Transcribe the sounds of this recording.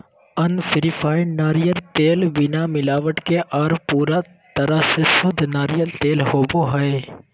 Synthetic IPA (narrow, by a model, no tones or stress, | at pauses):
ənfʰɪɾipʰaːɪnaːɾijəɾt̪eːlbɪnamɪlaːʋəʈkeʔaːɾpuːɾa | t̪əɾəɦsesʊd̪ʱnaːɾijəɾt̪eːlhoːboɦəe